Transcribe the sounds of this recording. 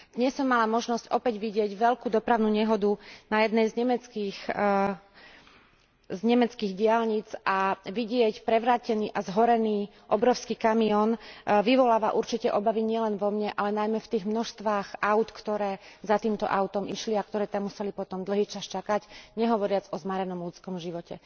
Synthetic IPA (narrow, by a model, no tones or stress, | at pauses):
d̪̥ɲɛsːɔmːalamɔʒnɔscɔpɛɟʋiɟɪɛɟʋɛʎkuːd̪ɔpɾaʊnuːɲɛɦɔd̪unajɛd̪nɛjzɲɛmɛt͡skiːx | zɲɛmɛt͡skiːɣɟɪalɲit͡sʔaʋiɟɪɛcpɾɛʋɾaːcɛniːʔazɦɔɾɛniːʔɔbɾɔʊskiːkamiɔnʋiʋɔlaːʋaʔuɾt͡ʃicɛʔɔbaʋiɲɪɛlɛnʋɔmɲɛʔalɛnajmɛft̪iːɣmnɔʃst̪ʋaːxʔaʊt̪kt̪ɔɾɛːzat̪iːmt̪ɔ̰ʔaʊt̪ɔmʔiʃliak̚t̪ɔɾɛːt̪amːusɛlipɔt̪ɔmd̪l̩ɦiːt͡ʃast͡ʃakaɟɲɛɦɔʋɔɾɪad͡zɔzmaɾɛnɔmlut͡skɔmʒiʋɔcɛ̰